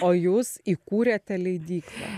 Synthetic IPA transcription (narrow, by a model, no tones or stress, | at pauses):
oːjuːsiːkuːɾʲɛt̪ʲɛlʲɛɪd̪ʲiːklˠɐ̰